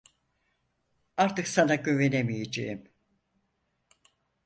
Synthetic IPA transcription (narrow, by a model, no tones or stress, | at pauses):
aɾt̪ɯksanaɟyvenemijed͡ʒejim